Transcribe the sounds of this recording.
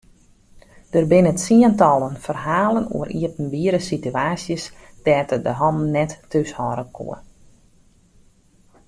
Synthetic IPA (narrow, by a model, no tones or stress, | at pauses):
d̥ərbɪnətsiəntɔlˠənfərɦaːlˠənṵəɾḭəpn̩biəɾəsityaːsjəsd̥ɛːtədəɦɔmnɛtːyshɔɾəkʰṵə